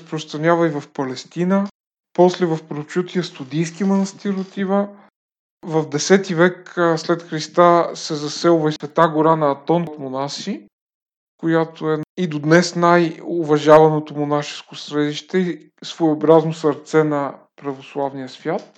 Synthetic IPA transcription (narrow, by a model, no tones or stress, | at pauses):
spɾost̪ɾɐnʲjavɐivɐfpɐlɛst̪inə | pɔslɛvɐfpɾot͡ʃut̪ijəst̪ʊd̪ijs̬kimɐnɐst̪iɾot̪ivə | vɐvd̪ɛsɛt̪ivɛkslɛt̪xɾist̪asɛzɐsɛlˠvɐivɛt̪aɡoɾanɐːt̪ɔnt̪monasi | kojat̪oɛid̪od̪nɛsnajʊvɐʒavɐnot̪omonaʃɛ̥skosɾɛd̪iʃt̪ɛi | svojobɾaznosɐɾt̪sɛnɐ | pɾɐvoslˠavnijəsvʲjat̪̚